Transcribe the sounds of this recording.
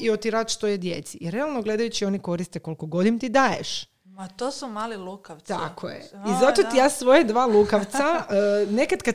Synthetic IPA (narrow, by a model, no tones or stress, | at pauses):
iot̪iɾaːd̪ʃt̪ojed̪je̞̰t̪siiɾe̞alˠnoɡle̞d̪ajut͡ɕio̞niko̞ɾist̪eko̞lko̞ɡo̞d̪int̪id̪aːjḛʃ | at̪osumaːlilukaʋt̪a̰kʰojḛizat̪ot̪ijasʋojad̪ʋaːlˠukaʋt̪sane̞kad̪ka